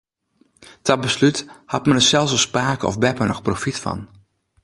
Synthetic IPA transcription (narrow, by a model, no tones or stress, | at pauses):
tɑt̚bəslythɑtmənəsɛlˠsəspaːkəɔ̰fbɛpənɔχprofitfɑ̰n